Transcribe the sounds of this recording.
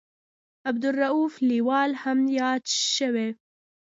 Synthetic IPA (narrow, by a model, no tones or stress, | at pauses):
ab̚d̪ʊrːaufliwɑːlhamjɑːd̪ʃəwe